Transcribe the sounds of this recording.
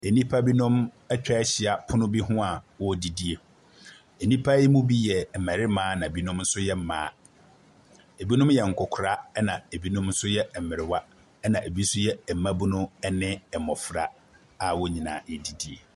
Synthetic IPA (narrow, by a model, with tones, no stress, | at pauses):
e˨nĩ˦pʰa˦bi˦nʊ̃˦m | ɛ˦t͡ɕᶣɛ˦ɛ˦ɕɪ˨a˨pʰʊ˦nʊ̃˦bi˦ɦʊ̃˦a˨wɔ˦˨di˨di˦e˨ | e˨nĩ˦pʰa˦ji˦mũ˦bi˦jɛ˨m̩˨mɛ˨ɾɪ˦mãː˨˦nã˨bi˦nʊ̃˦mn̩˦sʊ˦jɛ˦m̩˨mã̰ː˨˦ | e˨bi˦nʊ̃˦mjɛ˨ŋ̩˨kʰɔ˨kʰʊ˨ɾa˦ɛ˦nã˨e˨bi˦nʊ̃˦mn̩˦sʊ˦jɛ˦˨m̩˨mɪ˨ɾɪ˨wa˦ | ɛ˦nã˨ʔe˨bi˦sʊ˦jɛ˦ɛ˨m̩˨mã˦bu˦nʊ̃˦ɛ˦nɪ̃˦ɛ˨mɔ˨fɾa˨ | a˨wɔ˦ɲĩ˨nã̰ː˨e˨di˨di˨e˨